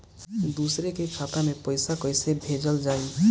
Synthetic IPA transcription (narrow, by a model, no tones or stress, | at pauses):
d̪usɾekekʰaːt̪amẽpəɪsakɔjsebʱed͡ʒəld͡ʒaːi